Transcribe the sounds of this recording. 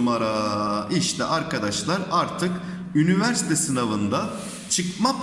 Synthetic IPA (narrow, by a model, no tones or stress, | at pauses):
maɾaiʃt̪ʰɛʔaɾkʰad̪aʃlˠaɾaɾt̪ʰɯk | ynivæɾsi̥t̪ʰɛsɯnavɯnd̪a | t͡ʃʰɯkmap